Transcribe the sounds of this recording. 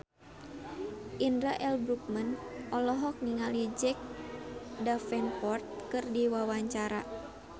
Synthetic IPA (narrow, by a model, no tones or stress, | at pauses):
ʔindɾaʔɛlbɾuk̚mənʔɔlɔɦɔk̚niŋalid͡ʒɛk̚ | dafɛnpɔrt̪̚kɨrdiwawaɲt͡ʃaɾa̰